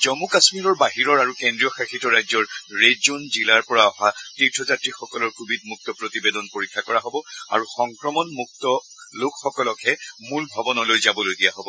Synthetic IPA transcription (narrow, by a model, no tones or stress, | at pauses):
zɔmukasmiɹɔɹbaɦiɹɔɹaɹukendɹijɔxaxitɔɹajzɔɹɹezonzilaɹpɔɹaɔɦatitʰɔzatɹixɔkɔlɔɹkʰubid̚muk̚tɔpɹotibedɔnpoɹikʰːakɔɹaɦobɔa̰ɹuxɔŋkɹɔmɔnmuk̚tɔ | lokxɔkɔlɔkʰɛmulbʱɔbɔnɔlojzabɔlojdijaɦobɔ